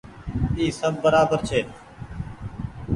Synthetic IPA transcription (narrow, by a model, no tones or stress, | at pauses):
iːsəb̚ːəɾaːbəɾt͡ʃʰeː